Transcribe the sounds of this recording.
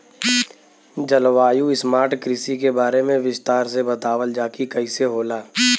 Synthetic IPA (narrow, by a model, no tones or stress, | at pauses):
d͡ʒɐlʋaːjuɪsmaːɾʈkɾɪsik̬ebaːɾemẽʋɪst̪aːɾsebɐt̪aːʋəld͡ʒaːkikɐiseɦoːlaː